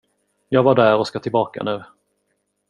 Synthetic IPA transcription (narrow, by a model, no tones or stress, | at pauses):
jɑːɡvaɖæːɾɔskat̪ʰɪlbɑːka̰nʉ̟ː